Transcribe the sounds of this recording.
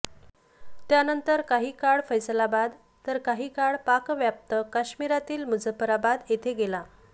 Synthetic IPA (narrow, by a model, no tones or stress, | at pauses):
t̪janənt̪əɾkaɦiːkaɽfəjslabad̪ | t̪əɾkaɦiːkaɭpakʋjap̚t̪əkaɕmiɾat̪iːlməd͡zəpəɾabad̪et̪ʰeɡela